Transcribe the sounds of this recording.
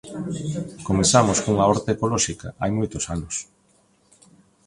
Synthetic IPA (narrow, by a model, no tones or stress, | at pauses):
komeθamoskouŋaoɾt̪eekolɔʃika̰ʔa̰jmojt̪osanʊs